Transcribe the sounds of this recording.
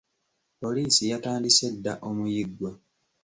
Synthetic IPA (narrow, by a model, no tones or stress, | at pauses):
po̞liːsijataːndise̞dːaʔo̞mujiɡwa